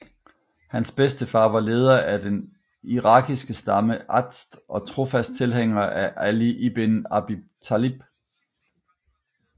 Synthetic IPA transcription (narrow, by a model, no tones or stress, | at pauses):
hænsb̥esd̥əfɑ̈ːʋɑ̈le̝ːð̞ˠɐʔæɐd̥en | iʁɑ̈ɡisɡ̥əsd̥ɑ̈məʔɑ̈d̥sd̥ʔɒ̽t͡sʰʁo̝fæsd̥̚t͡sʰe̝lheŋ̰ɐʔæʔæliʔib̥enɑb̥it͡sʰælib̥